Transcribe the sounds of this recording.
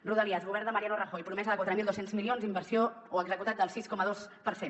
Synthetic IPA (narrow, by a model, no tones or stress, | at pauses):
ruðəliazɣuβɛɾnd̪əməɾianurəxojpɾumɛzəðəkwat̪ɾəmilˠd̪osenzmilionzd̪imbəɾsio | oəɡzəkut̪at̪̚d̪əlˠsiskɔməðospəɾsen